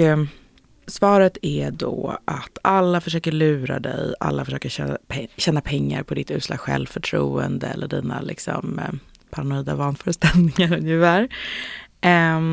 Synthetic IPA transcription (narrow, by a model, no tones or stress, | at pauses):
svɑːɾət̪ʰɛɖɔʔat̪ʰalːafœʂøːkəɭʉ̟ːɾa̰d̪ɛ̰ja̰lːafœʂøːkəɛpʰɛɕɛːnapʰɛŋːa̰ɾpʰɔd̪ɪt̪ʉ̟ːt̪slɑ̰ːɡɧɛ̰lfœʈʰɾuːənd̪əɛlːəɖiːna̰lʔɪksɔ̰m | pʰaɾanʊiːd̪avɑːnfœːɾəst̪ɛld̪ɪŋaɾɵŋjɪfæːɾ